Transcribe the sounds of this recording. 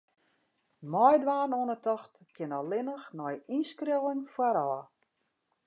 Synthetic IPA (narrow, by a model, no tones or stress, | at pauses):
mɔjdʋaːrnoənətɔxtkʰɪnɔlɪnəxnɔjinskrowəŋfwaɾɔːə